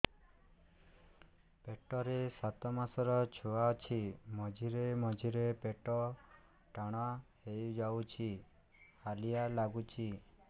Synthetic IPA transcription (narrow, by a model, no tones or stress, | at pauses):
peʈɔɾesat̪ɔmasɔɾɔt͡ʃʰoat͡ʃʰimɔd͡ʒʱiɾemɔd͡ʒʱiɾepeʈɔ | ʈaɽ̃ɔahejd͡ʒawt͡ʃʰi | halijalaɡut͡ʃʰi